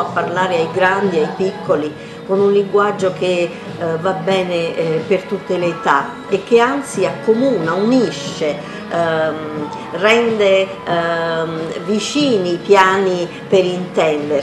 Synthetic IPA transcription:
apːarlaːɾeajɡɾand̪iajpikːoli | konunliŋɡwad͡ʒːoke | vabːɛːnepert̪ut̪ːelet̪a | ekːeant̪siakːomuːnauniʃːe | rɛnd̪e | vit͡ʃiːniːpjaːni | peɾint̪ɛnd̪e

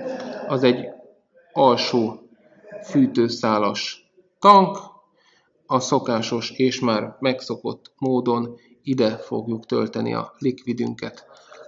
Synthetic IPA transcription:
ɒzɛɟː | ɒlʃoː | fyːt̪øːsaːlɒʃ | t̪ɒŋk | ɒso̞kaːʃo̞ʃeːʃmaːrmɛkso̞ko̞t̪ːmoːd̪o̞n | id̪ɛfoɡjukt̪ø̰lt̪ɛnḭɒ̰likʋid̪y̰ŋkɛt̪

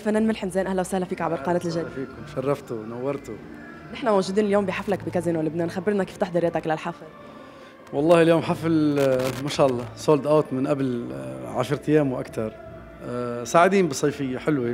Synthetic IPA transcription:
fanːæːnmɪlħɪmzːnʔahlawsahlafiːkʕabɪɾqɑːnɛːt̪ɪlʒafiːkʊmʃɑrˤːɑft̪ʊnawːɑɾˤt̪ʊ | nɪħnamowʒuːd̪iːnɪljoːmbiħaflakbɪkazinwɪlɪbneːnxabːɪɾnakiːft̪ɪħd̪ˤɑɾjat̪aklalħafl | wɑlˤːɑːhɪljoːmħaflmaʃaːʔɑlˤːɑːsˤoːld̪ʔaːt̪mɪnʔablʕaʃɾˤt̪ɪjːæːmwʔa̰kt̪ɑɾˤ | saːʕɪd̪iːnbɪsˤːɑjfɪjːaħɪlwi

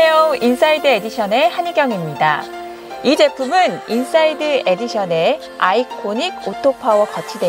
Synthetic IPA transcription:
eoins͈ʰaidɯe̞diɕʰʌne̞haniɡjʌŋimɲida̰ | id͡ʑe̞pʰumɯnins͈aidɯe̞diɕʰʌne̞ | a̰ikʰoɲiɡotʰopʰawʌkʌt͡ɕʰidwe

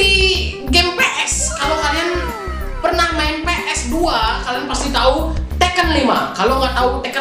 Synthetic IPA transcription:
iɡempeʔɛskalokalan | pərnahmaɪnpeʔɛsduakalianpast̪it̪aut̪ɛkənlimakaloŋɡaʔt̪aut̪ɛkə

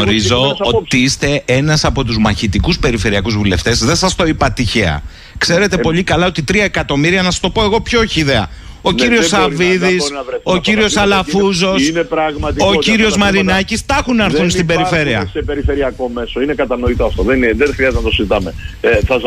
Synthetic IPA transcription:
oɾizooiist̪e̞e̞nɐsɐpo̞t̪uzmɐçit̪ikuspe̞ɾife̞ɾiɐkuzvule̞̰ft̪e̞zðesɐst̪o̞ipɐt̪içe̞ɐ̰ | kse̞ɾe̞t̪e̞po̞ʎikɐlɐot̪it̪ɾiɐekɐt̪o̞miɾiɐnɐsɐst̪opo̞e̞ɣo̞pço̞çiːðe̞ɐ | o̞ciɾio̞sɐviðisɾnɐveo̞ciɾio̞sɐlɐfuzo̞sinepɾɐɣmɐt̪iociɾio̞szmɐɾinɐcist̪ɐxunɐɾθunst̪ibe̞ɾife̞ɾiɐsepeɾifeɾiɐko̞me̞soinekɐt̪ɐno̞it̪oɐft̪oðenðenxɾiɐzt̪enɐt̪osizit̪ɐmeθɐ

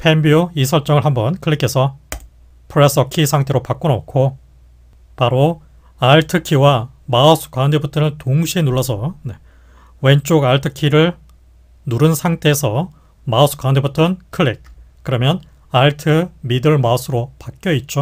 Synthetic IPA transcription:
pʰembioisʰʌɭt͡ɕ͈ʌŋɯɭɦambʌnkʰɯɭːikʰe̞sʰʌ | pʰɯɾes͈ʰʌkʰisʰaŋtʰe̞ɾopak͈ono̰kʰo | paɾo | aɭtʰɯkʰiwamaʌsʰɯ̥k͈waunde̞butʰɯnɯntoŋɕʰienuɭːʌsʰʌne | we̞nt͡ɕ͈oɡaɭtʰɯkʰiɾɯɭ | nuɾɯnsʰaŋtʰe̞ːsʰʌ | maʌsʰɯ̥kwaundʰebutʰɯnkʰɯɭːik͈̚ː | ɯɾʌmjʌn | aɭtʰɯmidɯɭmaʌsʰɯɾopak͈jʌit̚t͡ɕ͈o

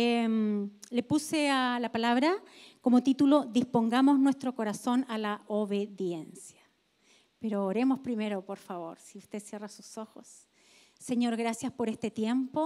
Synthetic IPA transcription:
emlepusealapalaβɾako̞mot̪it̪ulo̞ðispoŋɡamo̞znwest̪ɾo̞ko̞ɾaso̞nalaoβe̞ðje̞nsja | peɾoːɾe̞mo̞spɾime̞ɾo̞po̞ɾfaβo̞̰ɾsiust̪e̞sje̞rasu̥so̞xosː | e̞ɲo̞ɾɣɾasjaspo̞ɾest̪et̪je̞mpo

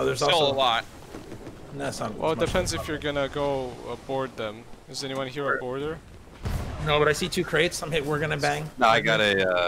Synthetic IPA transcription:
oʊðə˞zɪlˠəlɔt̚ | næsə̃nwɛ̰lˠəd̥ɨpʰɛ̃ndzɨfjə˞ɡʌnɨɡoʊə̰bɔɹd̪̚ðɨ̃mɨzɛñiwʌ̃nhiɹəbbɔɹdə˞ | noʊbʌɾaɪsitʰʉkʰɹ̥eɪtsãɪ̃mhɪp̚wɪɹɡʌnɨbæ̃ŋnoʊaɪɡɑɾɨʌ

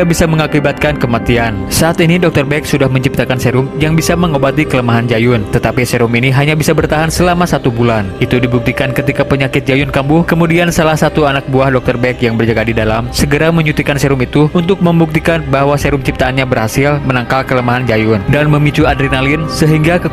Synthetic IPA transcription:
abisaməŋakibat̪̚kankəmat̪iansaʔːt̪inidɔk̚t̪ərbɛksudahməɲt͡ʃip̚t̪akanseɾʊmjaŋbisaməŋobat̪ikələmaɦand͡ʒajʊnt̪ət̪apisɛɾuminiɦaɲabisabərt̪aɦansəlamasat̪ubulanit̪udibuk̚t̪ikankət̪ikapəɲakɪt̪̚d͡ʒajʊnkambuhkəmudiansalahsat̪uanak̚buahdɔk̚t̪ərbɛkjaŋbərd͡ʒəɡadidalamsəɡəɾaməɲut̪ikansɛɾʊmit̪uunt̪ʊk̚məmbuk̚t̪ikanbaɦwasɛɾʊmt͡ʃip̚t̪aːnɲabərhasɪlmənaŋkalkələmaɦand͡ʒajʊndanməmit͡ʃuadɾinalɪnsəɦiŋɡakə

